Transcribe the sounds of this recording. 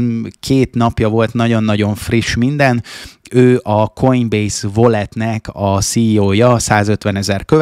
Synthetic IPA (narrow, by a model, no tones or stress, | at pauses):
kʰeːt̪nɒpjɒvo̞lt̪nɒɟo̞nːɒɟo̞ɱfriʃmind̪ɛnøːʔɒkʰo̞jnbejsvo̞lɛt̪nɛkɒsiːjoːjɒsaːzø̞t̪ʋɛnɛzɛrkø